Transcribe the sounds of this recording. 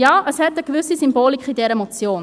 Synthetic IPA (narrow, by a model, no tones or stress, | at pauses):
jɑːʔəshɛtəɡ̥vʏsisymboːlikʰidɛɾəmot͡sjoːn